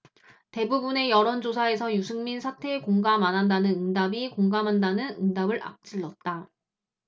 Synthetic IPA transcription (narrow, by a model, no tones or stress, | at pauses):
te̞bubune̞jʌɾʌnd͡ʑosʰae̞sʰʌjusʰɯŋminsʰatʰe̞ːkoŋɡamanɦandanɯnɯŋdabikoŋɡamɦandanɯnɯŋdabɯɭa̰k̚t͡ɕ͈iɭːʌt̚t͈a